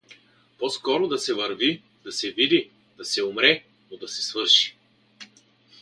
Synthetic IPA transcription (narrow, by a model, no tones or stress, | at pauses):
pɔskɔɾod̪ɐsɛvɐɾvi | d̪ɐsɛvid̪i | d̪̥ɐsɛʊmɾɛ | nod̪ɐsɛ̥svɤɾʃi̥